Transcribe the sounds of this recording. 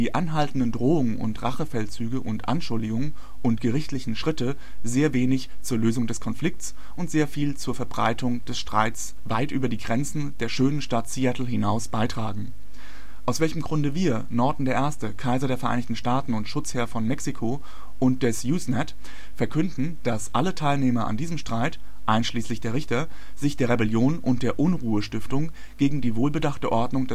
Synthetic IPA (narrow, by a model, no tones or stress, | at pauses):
d̥iːʔanɦaltn̩dəndʁoːʊŋənʊ̰ntʁaχəfɛlt͡syːɡəʔʊntʔa̰nʃʊldɪɡʊŋən | ʔʊntɡ̥əʁɪçtlɪçn̩ʃʁ̥ɪtə | zeːɐveːnɪçt͡suːɐløːzʊŋdɛskʰɔnflɪk̚tt͡s | ʔʊntz̥eːɐfiːlt͡suːɐfɛɐbʁa̰ɪtʰʊŋd̥ɛsʃtʁ̥a̰ɪtt͡s | va̰ɪtʔyːbɐdiːɡʁɛnt͡sn̩d̥eːɐʃøːnənʃtatsiɛtl̩ɦɪnaʊsb̥aɪtʁ̥aːɡŋ̩ | ʔaʊsvɛlçəm̩ɡʁʊndəviːɐ | nɔɐdn̩deːɐʔeːɐstəkʰaɪzɐɾeːɐfɛɐʔaɪnɪçtn̩ʃtaːtn̩ʊntʃʊt͡sheːɐfɔnmɛksikʰo | ʔʊnt̚d̥ɛsjuːsnɛt | fɛɐkʰʏndn̩d̥asʔalətʰaɪlneːmɐʔa̰ndiːzəmʃtʁ̥aɪt | ʔaɪnʃliːslɪçd̥eːɐʁ̞ɪçtɐ | z̥ɪçd̥eːɐʁebɛljoːnʔʊnt̚d̥eːɐʔʊnʁuːəʃtɪftʊŋ | ɡ̥eːɡŋ̩diːvoːlbədaχtəʔɔɐdnʊŋdɛ